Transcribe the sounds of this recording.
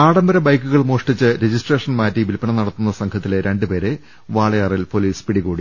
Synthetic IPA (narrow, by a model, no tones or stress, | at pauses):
aːɽɐmbɐɾɐbɐjkːuɣɐɭmoːʂʈit͡ɕːɨɾed͡ʑisʈreːʂɐnmaːtːiʋilpɐɳɐnɐɽɐt̪ːunːɐsɐŋkʰɐt̪ːileɾʔe̞ɳɖɨpe̞ːɾe | ʋaːɭɐjaːrilpoliːspiɽiɣuːɽi